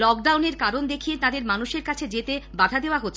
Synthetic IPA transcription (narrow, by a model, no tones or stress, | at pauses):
lɔk̚ɖawneɾkaɾond̪ekʰijet̪ad̪eɾmanuʃeɾkat͡ɕʰed͡ʑet̪ebad̪ʱad̪eoaɦotːɕʰ